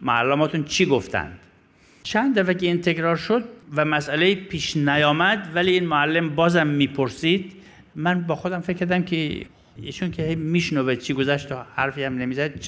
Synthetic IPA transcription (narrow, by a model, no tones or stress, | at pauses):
moælːæmɒːt̪ʰunt͡ʃʰiɡoft̪ʰæ̰nd̪̥ | t͡ʃʰænd̪æfækeːnt̪ʰekɾɒːɾʃod̪̚væmæsʔæleiːpʰiːʃnæjɒːmæd̪væliiːnmoælːembɒːzæmːiːpʰoɾsiːd̪ | mænbɒːxod̪æmfecʰːæɾd̪æmkʰe | ḭːʃunkʲʰehejmiʃnoːvet͡ʃʰiɡozæʃt̪ʰohæɾfiːæmnemiːzæd̪t͡ʃ